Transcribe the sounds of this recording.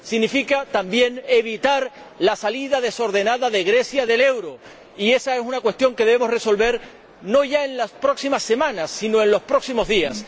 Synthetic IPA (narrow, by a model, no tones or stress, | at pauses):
siɣnifikat̪ambje̞ne̞βit̪aɾ | lasaliðaðe̞so̞ɾðe̞naðaðe̞ɣɾe̞sjaðe̞le̞wɾo̞ | ie̞saesunakwe̞st̪jo̞ŋke̞ðeβemo̞sre̞so̞lβe̞ɾ | no̞ʝae̞nlaspɾo̞ksimasːe̞mãnasːino̞enlo̞spɾo̞ksimo̞zðias